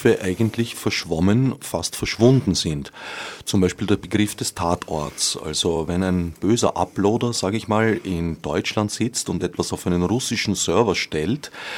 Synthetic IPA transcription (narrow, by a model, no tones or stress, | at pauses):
fəʔaɪɡəntlɪçfɛɐʃv̥ɔmənfastfɛɐʃv̥ʊndn̩zɪntt͡sʊmbæɪʃpiːldeːɐbəɡʁɪfd̥ɛstʰaːtʰɔ̰ɐtsʔa̰lzovɛnæɪnb̥øːzɐ̰ʔa̰ploːdɐz̥aːɡəɪçmaːlɪnd̥ɔʏt͡ʃlantsɪt͡stʊntɛtv̥asaʊfæɪnənʁʊsɪʃn̩sœɐvɐʃtɛlt